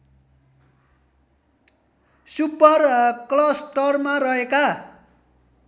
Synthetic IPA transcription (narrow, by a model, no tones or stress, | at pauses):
supʌrklʌsʈʌrmarʌɦeka